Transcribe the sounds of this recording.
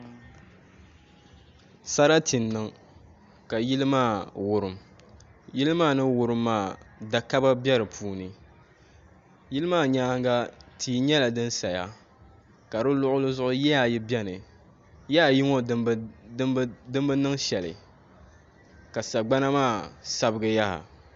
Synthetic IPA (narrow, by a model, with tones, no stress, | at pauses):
sa˦ɾa˦tʰi˨nːɨ˨ŋ | ka˨ji˦lɨ˦maː˦˨wʊ˨ɾɨ˨m | ji˦lɨ˦maː˦˨nɨ˦wʊ˨ɾɨ˦mːaː˦˨da˨ka˦ba˦bʲɛ˦ɾɨ˨pʰuː˦nɨ˨ | ji˦lɨ˦maː˦˨ɲaː˦ŋɡa˦tʰiː˨˦ɲɛ˦la˨dɨ˦nsa˨ja˦ | ka˨ɾɨ˦lʊ˦ʔʊ˦lɨ˦zʊ˦ʔʊ˦jɛ˦ja˨ji˦bɛ˦nɨ˨ | jɛ˦ja˨ji˦ŋɔ˦ | dɨ˦mbɨ˦nɨ˦ŋʃɛ˨lɨ̰˨ | ka˨sa˨ɡ͡ba˦na˦maː˦˨sa˦bɨ˦ɡɨ˨ja˦ha̰˨